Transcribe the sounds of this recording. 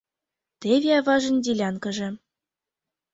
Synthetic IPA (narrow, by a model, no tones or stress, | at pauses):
t̪evʲiɑvɑʒə̆nʲd̪ʲilʲɑnkɤ̆ʒĕ